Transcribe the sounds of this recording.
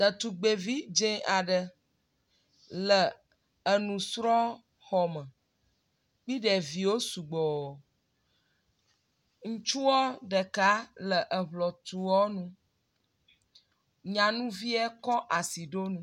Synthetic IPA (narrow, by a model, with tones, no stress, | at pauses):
d̪ə˨t̪u˨ɡ͡be˨vi˦d͡ʒẽ˦a˨ɖə˨ | lə˨ | ə˨nũ˨sɾɔ˦ | xɔ˨mə̃˨ | k͡pi˦ɖɛ˨vi˨wo˦su˨ɡ͡bɔ˨ | ŋũ˦t͡ʃu˦wɔ˦ɖə˨ka˦lə˨ʔə˨βlɔ˨t̪u˨wɔ˦nũ˦ | ɲã˨nũ˦vi˦ɛ˦kɔ˦ʔa˨si˨ɖo˦nũ˦